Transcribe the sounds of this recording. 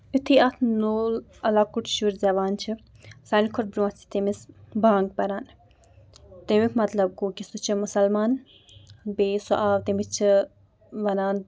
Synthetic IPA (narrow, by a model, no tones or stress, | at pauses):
it̪ʰiɐt̪ʰnoːl | ɐlaːkuʈʃuɾzɐʋaːnt͡ʃʰi | sɐnikʰoʈbɾut͡sʰi̥t̪imisbaːŋɡbɐɾaːn | t̪emikʰmɐt̪lɐb̚kukʲisut͡ʃʰimʊsɐlmaːn | beːsuʔaːʋt̪emit͡ʃʰi | ʋɐnaːn